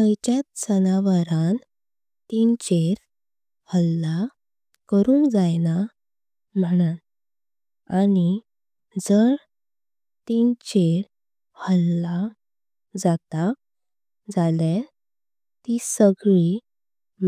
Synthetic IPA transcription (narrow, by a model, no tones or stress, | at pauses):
əjt͡ɕat̪sənaʋaɾãn | t̪int͡ɕeɾ | həlːa | kəɾũːŋkd͡zajna | m̤əɳa | ani | d͡zəɾ | t̪int͡ɕeɾ | həlːa | d͡zat̪a | d͡zale | t̪isəɡɭi | m